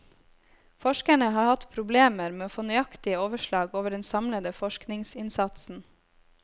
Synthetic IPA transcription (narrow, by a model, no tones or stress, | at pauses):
fɔʃkəɳəhɑːɾhɑt̪pʰɾʊbleːməɾmeːoːfoːnœʏɑkt̪ɪəoːʋəʃlɑːɡoːʋəɖɛnsɑmləd̪əfɔʃknɪŋsɪnsɑt̪sn̩